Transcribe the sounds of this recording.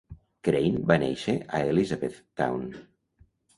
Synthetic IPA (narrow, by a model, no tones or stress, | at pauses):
kɾejnbanḛʃeʔaelizaβet̪ː | a̰wn